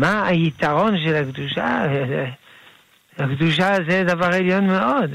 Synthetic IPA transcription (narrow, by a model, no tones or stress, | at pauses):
maajit̪aʁo̞nʃelakd̪uʃa̰e | akd̪uʃ̬azed̪avaʁeljo̞nmeod̪